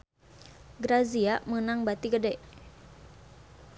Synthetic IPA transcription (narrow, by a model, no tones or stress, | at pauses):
ɡɾaziaʔmənaŋbat̪iɡədɛʔ